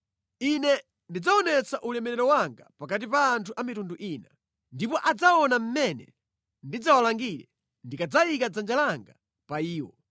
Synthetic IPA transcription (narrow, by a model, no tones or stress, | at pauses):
inɛ | ndid͡zaɔnɛt͡saʔulɛmɛɾɛɾɔwaŋɡapakat̬ipaːntʰuʔamitunduʔiːna | ndipɔʔad͡zaɔnam̩mɛnɛ̰ | ndid͡zawalaŋɡiɾɛ | ndikad͡zaikad͡zand͡ʒalaŋɡa | paiːwɔ